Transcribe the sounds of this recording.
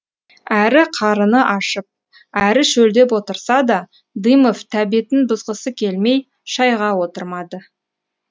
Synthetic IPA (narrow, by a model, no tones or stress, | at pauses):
æɾɪqʰɑɾənəʔɑʃəp̚ | æɾɪʃɵld̪e̞pwo̞t̪əɾsɑd̪ɑ | d̪ijmoft̪ʰæbiet̪ɪnbʊzʁəsəkʲʰe̞lme̞j | ʃɑjʁɑwo̞t̪əɾmɑd̪ə